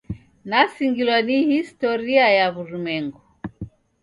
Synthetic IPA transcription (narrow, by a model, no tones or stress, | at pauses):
nasiŋɡilwanihistɔɾiajaβuɾumɛŋɡɔ